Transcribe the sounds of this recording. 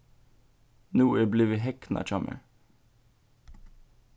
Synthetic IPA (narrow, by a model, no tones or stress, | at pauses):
nuːeːbliːʋiːɦɛkn̩ʔɑ̰ːt͡ʃɑmʔə̰ɹ